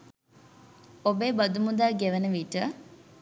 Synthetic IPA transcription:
obeːbɐd̪umud̪aːɡeʋɐnəʋiʈə

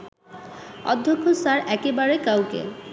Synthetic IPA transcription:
ɔ̰d̪ʱːokʰːosaɾɛkebaɾekawkḛ

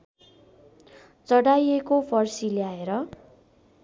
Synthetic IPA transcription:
t͡sʌɽajekopʰʌrsileaeɾʌ

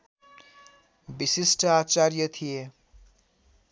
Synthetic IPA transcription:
bisisʈʌat͡sarjʌt̪ʰije

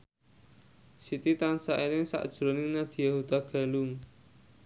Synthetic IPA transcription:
sit̪it̪ansaʔenɪŋsa̰ʔd̥ʒ̥ɾonɪŋnad̪̥i̤jaɦud̪̥aɡ̥a̤lʊŋ

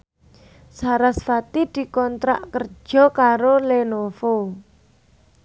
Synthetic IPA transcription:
saɾasfat̪id̪̥i̤kɔnt̪ɾa̰ʔkər̥d͡ʒ̥ɔ̤kaɾolenofo

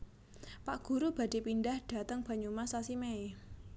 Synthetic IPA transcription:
paʔɡ̥ṳɾub̥a̤d̥e̤pinɖahɖ̥a̤t̪əŋb̥a̤ɲumasasimee

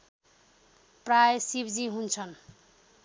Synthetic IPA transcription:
prajsibd͡ziɦunt͡sʰʌn

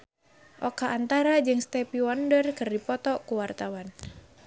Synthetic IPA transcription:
ʔɔkaʔːnt̪aɾad͡ʒɨŋst̪ɛpiwɔndərkɨrdipɔt̪ɔkuwart̪awan

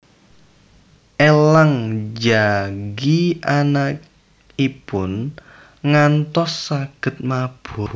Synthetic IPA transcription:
ʔelaŋd͡ʒaɡiʔanak | ipʊn | ŋant̪ɔsːaɡ̥ə̤t̪̚mab̥ʊ

